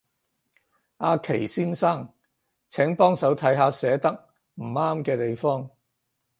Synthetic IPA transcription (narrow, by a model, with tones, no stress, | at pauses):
aː˧kʰe˨˩jsiː˥nsaː˥˩ŋ | t͡sʰɛː˨˥ŋpɔː˥ŋsɐ˨˥wt̪ʰɐ˨˥jɦaː˨˧sɛː˨˥t̪ɐ˥k̚ | m̩˨˩aː˥mkɛː˧t̪e˨jfɔː˥ŋ